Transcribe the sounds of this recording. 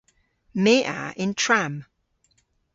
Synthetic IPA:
meːʔa̰ɪ̃ntʰɹ̥am

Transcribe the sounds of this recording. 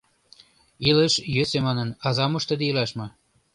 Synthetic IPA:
iləʃjøsemɑnənɑzɑmoʃt̪ə̆d̪ĕilɑʃmɤ̆

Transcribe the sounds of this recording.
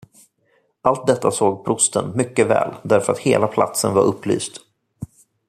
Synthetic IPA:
ʔalt̪̚d̪ɛt̪ːasoːɡpʰɾʊst̪ənmʏkːəvɛ̰ːld̪æɾfœɾat̪heːlapʰla̰t̪sənvaɾʔɵpːly̰ːst̪

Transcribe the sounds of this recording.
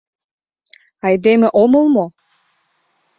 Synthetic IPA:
ɑjd̪emĕʔomɤ̆lˠmo

